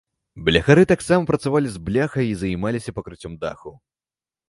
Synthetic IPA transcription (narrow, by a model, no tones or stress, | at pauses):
blʲɐxaɾɨt̪aksamɐpɾɐt̪savalʲizblʲaxɐjizɐjmalʲisʲɐpɐkɾɨt͡sʲɔmd̪a̰xu